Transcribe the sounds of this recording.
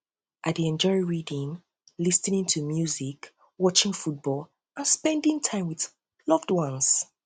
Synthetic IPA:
ʔat̚ðiɛ̃nd͡ʒɔɹiɹidĩŋ | lisnĩŋtʰumjuzik | wɔt͡ʃɪ̃ŋfut̚b̥ɔl | ʔãnspɛ̃ndɪ̃ŋtʰãɪ̃mwið | lʌvdwʌ̃ns

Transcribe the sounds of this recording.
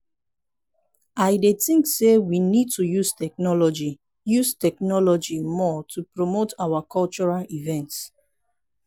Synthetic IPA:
aɪdetĩŋksewinid̚tujustʰɛk̚nɔlɔd͡ʒi | justɛknɔlɔd͡ʒimɔtʰupɹomotawakʰɔlt͡ʃɔɹalivɛ̃nts

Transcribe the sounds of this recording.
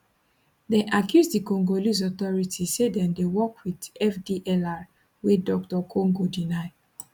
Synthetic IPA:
dɛʔakʰjuzdikɔ̃ŋɡolis̬ɔt̪ɔɹitʰisedɛ̃ndewɔkwidɛfdiʔɛlaɹ | wedɔk̚tɔkʰõŋɡodinaɪ

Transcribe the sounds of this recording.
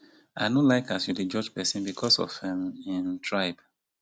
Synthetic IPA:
aɪnõlaɪkasjuded͡ʒɔd͡ʒpɛsɪ̃nbikʰɔsɔ̰fɛ̃mĩntʰɹaɪb̥

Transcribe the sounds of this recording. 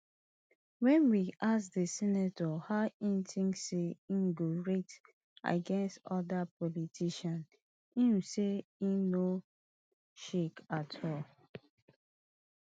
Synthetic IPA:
wɛ̃nwiʔasdəsinatɔhaĩnitʰĩŋseĩnɡoɹet | a̰ɡɛ̃nstɔdapɔlitʰiʃãn | ĩnseĩno | ʃekatʰɔl

